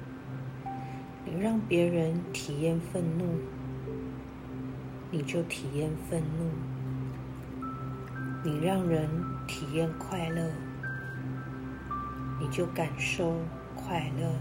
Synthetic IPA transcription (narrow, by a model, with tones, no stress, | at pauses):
ni˨˩ɻɑ˥˩ŋpjɛ˨˧˥ɻə˧˦nt̪ʰi˨˩jɛ˥˧nfə˥˧nnu˥˩ | ni˨˩t͡ɕjo˥˩ʊt̪ʰi˨˩jɛ˥˧nfə˥˧nnu˥˩ | ni˨˩ɻɑ˥˨ŋɻə˧˦nt̪ʰi˨˩jɛ˥˧nkʰwa˥˧ɪlə˥˩ | ni˨˩t͡ɕjo˥˩ʊka˨˩nʂo˥˨ʊ | kʰwa˥˧ɪlə˥˩